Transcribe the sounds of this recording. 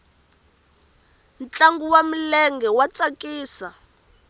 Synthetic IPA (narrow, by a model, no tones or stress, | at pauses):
nt͡ɬaŋɡuwam̩lɛŋɡɛwat͡sʼakʼiːsa